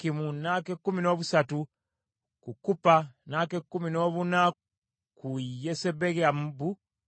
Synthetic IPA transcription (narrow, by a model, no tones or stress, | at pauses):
kimunakekːumino̞ːβusatu | kukupanakekːuminoːβuna | kujesebeɡambu